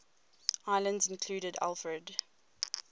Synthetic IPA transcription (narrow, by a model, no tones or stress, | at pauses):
aɪlə̃ndzɪ̃nkʰl̥uːɾəda̰lˠfɹəd